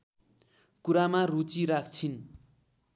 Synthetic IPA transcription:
kuɾamarut͡siɾak̚ʰt͡sʰin

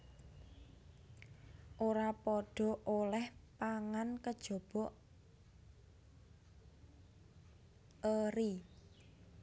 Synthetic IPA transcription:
ʔoɾapɔɖ̥ɔ̤ʔolɛhpaŋankəd̥ʒ̥ɔ̤b̥ɔʔ | əɾi

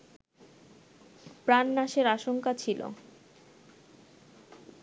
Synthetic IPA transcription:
pɾanːaʃeɾaʃoŋkat͡ɕʰilo̰

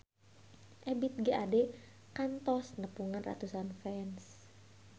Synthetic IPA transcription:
ʔɛbit̪̚ɡəʔadɛ | kant̪ɔsnəpuŋanra̰t̪usanfɛns

